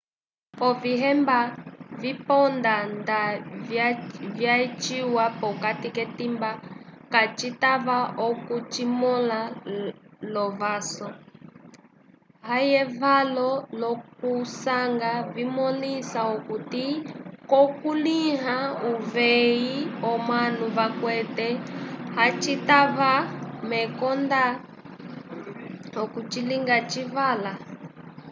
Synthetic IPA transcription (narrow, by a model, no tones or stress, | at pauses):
pɔviɦɛmbavipɔndanda | vjat͡ʃiwapɔkatikɛtimbakat͡ʃitaβaʔɔkut͡ʃimɔla | lɔvasɔ | hajɛvalɔnɔk̚usaŋɡavimɔlisaɔkutikɔkuliɦauvɛiɔmanuβakwɛtɛhat͡ʃitaβamɛkɔnda | ɔkut͡ʃiliŋɡat͡ʃivala